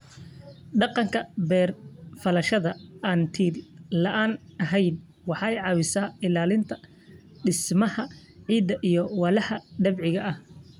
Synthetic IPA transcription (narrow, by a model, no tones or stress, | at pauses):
ɖɑqɑŋkʰɐbɛːrfɐlɐʃɐðɐɐːnt̪ʰiːllɐʔaːnɐɦɛjn | wɑħɑɛjʕɑːwɪsaːɪlaːlɪnt̪ʰɐ̥ | ɖɪsmɐhɐ | ʕiːd̪ːɐʔijɔwɑːlɐhɐɖɐbʕɪɣɐʔɐh